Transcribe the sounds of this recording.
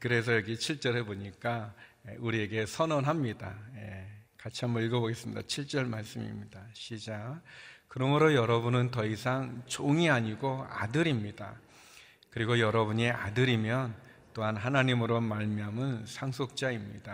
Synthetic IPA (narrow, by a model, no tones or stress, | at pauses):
kɯɾe̞s̬ʰʌjʌɡit͡ɕʰiɭt͡ɕ͈ʌɾɦeboɲik͈aeuɾie̞ɡe̞sʰʌnʌnɦamɲida̰je̞kat͡ɕʰiɦamʌiɭɡʌboɡe̞s͈ɯmɲidat͡ɕʰiɭt͡ɕ͈ʌɭmaɭs͈ɯmḭmɲidaɕʰid͡ʑakɯɾʌmɯɾojʌɾʌbunɯntʌisʰaŋt͡ɕoŋiaɲiɡoa̰dɯɾimɲida̰ | kɯɾiɡojʌɾʌbuɲia̰dɯɾimjʌn | t͈oɦanɦanaɲimɯɾomaɭmjamɯnsʰaŋsʰok̚t͡ɕ͈aimɲid̥a